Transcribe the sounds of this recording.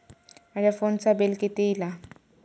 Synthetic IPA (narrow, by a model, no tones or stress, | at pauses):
aɾjafont͡sabelket̪ejla